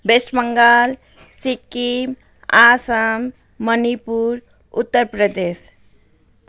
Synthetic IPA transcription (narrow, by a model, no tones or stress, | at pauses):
besməŋɡal | sikːim | asəmː | ənipuɾ | ut̪ːəɾpɾəd̪es